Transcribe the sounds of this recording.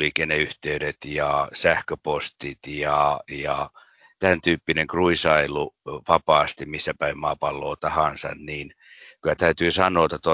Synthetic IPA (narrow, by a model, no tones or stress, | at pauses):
likeneyht̪eyɾet̪jɑsæhkøpost̪it̪jɑjɑ | t̪ænt̪yːpːineŋkruisɑiluʋɑpɑːst̪immisːæpæimmɑːpɑlːoːt̪ɑhɑnsɑ̰nniːn | kylæt̪æyt̪yːsɑnˑoːt̪ɑt̪o